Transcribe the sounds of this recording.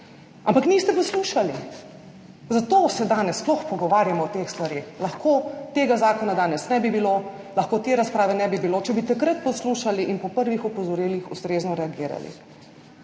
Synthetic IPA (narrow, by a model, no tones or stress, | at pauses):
ʔampakniːst̪ɛpɔsluːʃali | zat̪oːsɛd̪aːnɛssplɔxpɔɡɔʋaːɾjamɔɔt̪exst̪ʋaɾexlɐxkot̪eːɡazaːkɔnad̪aːnɛsnɛbibilo | lɐxkot̪eːɾaspɾaːʋɛnɛbibilot͡ʃɛbit̪akɾat̪̚pɔsluːʃaliʔinpɔpəɾʋixɔpɔzɔɾiːlixust̪ɾeːznɔɾɛaɡiːɾa̰lḭ